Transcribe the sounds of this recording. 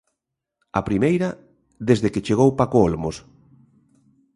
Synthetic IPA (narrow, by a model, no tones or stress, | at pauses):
apɾimejɾɐ | ðezðeket͡ʃeɣowpakoolmos